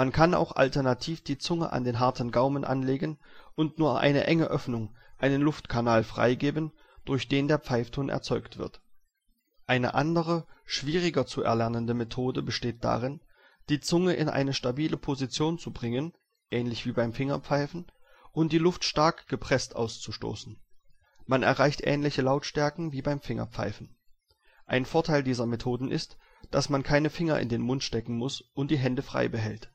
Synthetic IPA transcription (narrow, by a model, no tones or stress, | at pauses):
mankʰana̰ʊxʔa̰ltɛɐnatʰiːfd̥iːt͡sʊŋə̰ʔa̰ndeːnɦaɐtn̩ɡaʊmənʔa̰nleːɡənʔʊntnuːɐʔa̰ɪnə̰ʔɛŋəʔœfnʊŋʔaɪnənlʊftkʰanaːlfʁ̥a̰ɪɡeːbən | d̥ʊɐçd̥eːndeːɐp͡faɪftʰoːnʔɛ̰ɐt͡sɔʏktv̥ɪ̰ɐt | ʔaɪnə̰ʔandəʁ̞əʃv̥iːʁ̞ɪɡɐt͡suɛ̰ɐlɛɐnəndəmetʰoːdəbəʃteːt̚d̥a̰ːʁɪn | d̥iːt͡sʊŋəʔɪ̰nʔa̰ɪnəʃtabiːləpʰozit͡sjoːnt͡subʁɪŋən | ʔɛːnlɪçv̥iːbaɪmfɪŋɐ̰p͡faɪfn̩ | ʔʊnt̚d̥iːlʊftʃtaɐkɡ̥əpʁ̥ɛstʔa̰ʊst͡suʃto̰ːsn̩ | manɛ̰ɐʁaɪçtʔɛ̰ːnlɪçəlaʊtʃtɛɐkŋ̩viːbaɪmfɪŋɐ̰p͡fa̰ɪfn̩ | ʔaɪnfoːɐtʰaɪldiːzɐmetʰoːdn̩ʔɪ̰st | d̥asmankʰaɪnəfɪŋɐ̰ʔɪ̰ndeːnmʊntʃtɛkŋ̩mʊsʔʊnt̚d̥iːɦɛndəfʁ̥a̰ɪbəɦɛlt